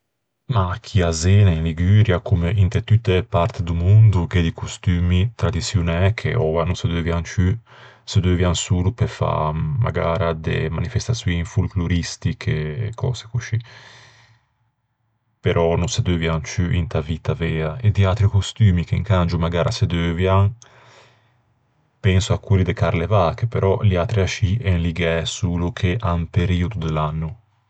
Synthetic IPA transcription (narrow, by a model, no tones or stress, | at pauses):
makʰiazɛːnainliɡyːɾjakumeʔint̪et̪yt̪ːepaɾt̪d̪umund̪ukɛd̪ikust̪yːmit̪ɾad̪isjunɛkʰḛʔɔvanused̪øvjaŋt͡ʃy | sed̪øvjansulupefa̰ma̰ɡaːɾad̪ḛmanifɛst̪asjunfulkluɾist̪ikʰekʰɔ̰ːze̥kuʃi | peɾʔɔnunsed̪øːvjaŋt͡ʃyʔint̪avit̪avɛːaʔed̪iat̪ɾikust̪yːmikeŋkand͡ʒumaɡaːɾased̪øːvjaŋ | pɛnsuakːuːɾid̪ekaɾlevaːkepeɾʔɔliat̪ɾiaʃiɛnliɡɛsuːlukʰeʔampeɾiud̪ud̪elanːu